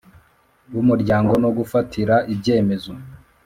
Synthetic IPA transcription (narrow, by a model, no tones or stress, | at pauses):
wumuɾɟaːŋɡo̞no̞ɡufatʰiɾaʔibɟe̞ːme̞zo̞